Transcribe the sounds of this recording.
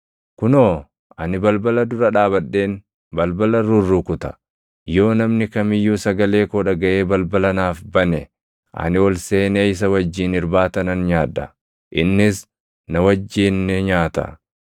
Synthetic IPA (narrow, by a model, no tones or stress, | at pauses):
kʊnoː | ɐnɪbɐlbɐlɐd̪ʊɾɐᶑaːbɐɗːe̞ːn | bɐlbɐlɐɾʊrːukʊt̪ɐ̥ | jo̞ːnɐmnɪkɐmɪjːuːsɐɡɐle̞ːkoːᶑɐɡɐʔe̞ːbɐlbɐlɐnaːfbɐnɛ | ʔɐ̰nɪwɔlseːneɪs̬ɐwɐd͡ʒːiːnɪɾbaːt̪ɐnɐnɲaːᶑɐ̰ | ʔɪnːɪs | nɐwɐd͡ʒːiːnːɛɲaːt̪ɐ̰